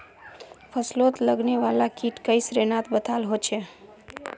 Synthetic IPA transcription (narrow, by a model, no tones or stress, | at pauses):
pʰəslot̪ləɡneʋalakiʈkəjsɾenat̪bət̪ʰalɦot͡ʃʰe